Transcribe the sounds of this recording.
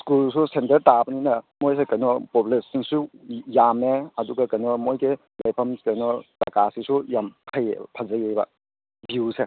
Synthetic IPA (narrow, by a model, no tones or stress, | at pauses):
skulsusentɐɾtabɐninɐmojsekɐjnɔpopulesiŋsujameɐduɡakɐjnɔmojɡe | lajpʰɐmskɐjnɔtakasisujampʰɐj̰pʰazajeba̰ | buse